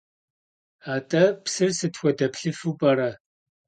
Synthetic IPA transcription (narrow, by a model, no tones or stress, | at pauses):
aːtʼɐpsɨrsɨtʰxʷɔdɐpʰɬɨfupʼɐɾɐ